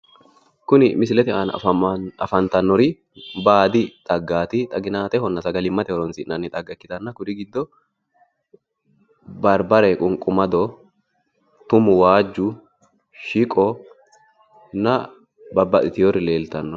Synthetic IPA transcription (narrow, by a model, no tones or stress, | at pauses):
kʊnɪmɪsɪlɛt̪ɪaːn | ɐ̰fɐnt̪ɐnːɔɾɪ | baːd̪ɪt̪ʼɐɡːaːt̪ɪt̪ʼɐɡɪnaːt̪ɛhɔnːɐsɐɡɐlɪmːɐt̪ɪɔɾɔnsɪʔnɐnːɪt̪ʼɐɡːɐkːɪt̪ɐnːɐkʊd̪ɪɡɪd̪ːɔ | bɐɾbɐɾɛkʼʊŋkʼʊmɐd̪ɔ | t̪ʊmʊwaːd͡ʒːʊ | ʃɪkʼɔ | nːɐ | bɐbːɐt̪ʼɪt̪ɪjɔrɪle̞ːlt̪ɐnːɔ